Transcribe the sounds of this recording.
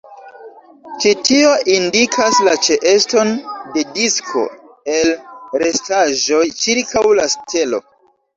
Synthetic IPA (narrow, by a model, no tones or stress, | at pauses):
t͡ʃitio̞ʔindikʰaslat͡ʃe̞ʔe̞sto̞nde̞diskʰo̞̰ | elɾe̞staʒo̞jt͡ʃiɾkawlastʰe̞lo̰